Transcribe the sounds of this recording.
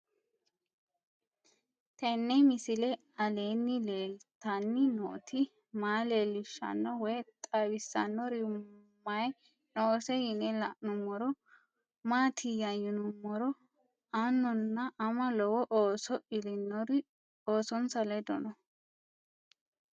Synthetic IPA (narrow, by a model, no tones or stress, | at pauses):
t̪ɛnːɛmɪsɪlɛ | ɐleːnːɪleːlt̪ɐnːɪnɔʔt̪ʰɪ | maːleːlːɪʃːɐ̰nːɔwɔjt̪ʼɐwɪsːɐnːɔɾɪmːɐj | noːsɛjɪnɛlɐʔnʊmːɔɾɔ | maːt̪ʰɪjɐjʊnʊmːɔɾɔ | ɐnːɔnːɐʔɐmɐlɔwɔʔoːsɔʔɪlɪnːɔɾ | oːsɔnsɐlɛd̪ɔ̰nɔ